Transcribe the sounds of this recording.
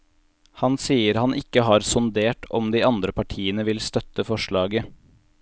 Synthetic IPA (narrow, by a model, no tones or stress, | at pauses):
hɑnsiːəɾhɑnʔɪkːəɦɑːɾsʊnd̪eːʈɔ̰md̪iːɑnd̪ɾəpʰɑʈʰiːənəʋɪlst̪œt̪əfɔʃɭɑːɡə